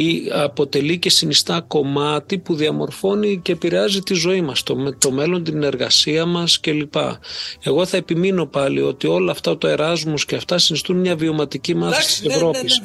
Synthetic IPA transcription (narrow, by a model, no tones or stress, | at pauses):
iɐpo̞t̪e̞lice̞sinist̪ɐko̞mɐt̪ipuðiɐmo̞̰ɾfo̞nice̞ːpiɾeɐzit̪izo̞imɐst̪omet̪o̞me̞lo̞nt̪ine̞ɾɣɐ̰siɐmɐsce̞lipɐ̰e̞ɣo̞θɐe̞pimino̞pɐlḭo̞t̪io̞lɐːft̪ɐot̪oe̞ɾɐzmusceɐft̪ɐsinist̪unmɲɐvio̞mɐt̪icimɐθest̪i̥sevɾo̞pis